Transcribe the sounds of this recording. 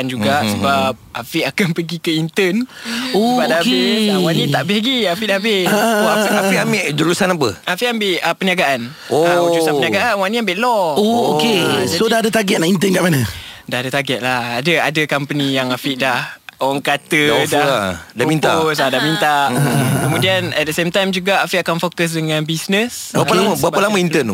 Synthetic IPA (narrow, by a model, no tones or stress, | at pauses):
and͡ʒuɡaʔsəbap̚afiʔakanpəɡikəint̪ənopadaiwanĩt̪aʔbɛɡiafiʔabiaafiʔamiʔd͡ʒəɾusanap̬əafiʔambɪʔəpəniaɡaʔan | oəusanpəniaɡaʔanwanĩambɪʔlɔooked͡ʒaodahadət̪aɡɛt̪̚naint̪ənkaʔmanə̃dahadət̪aɡɛʔ̪̚lahadəadəkampənĩjaŋafiʔdahoaŋkat̪ədaadamĩnt̪asadahmint̪aʔkəmũdianɛ̰t̪̚dəsemt̪ajmd͡ʒuɡaʔafiʔakanfokəs̬dəŋãnbisnəs | apəlamabaəlaməint̪ən